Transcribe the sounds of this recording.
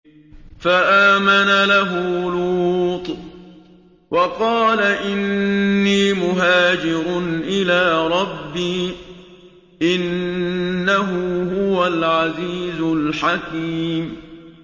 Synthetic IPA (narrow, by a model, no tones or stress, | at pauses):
faʔaːmanalaɦʊluuːt̪ˤ | wʔɑqɑːlaʔɪnːiːmʊɦaːd͡ʒɪɾʊnʔɪlaːɾˤɑbːiː | ʔɪnː | aɦʊhʊwalʕaziːzʊlħakiːm